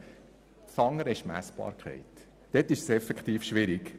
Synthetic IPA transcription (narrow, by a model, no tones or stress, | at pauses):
sɑŋːəɾɛʃmæ̰sb̥ɑ̰ːɾkχɛ̰ɪt̪ | d̪̥ɛtːɪʃsɛfɛkχt̪iːfʃʋɪɾɪk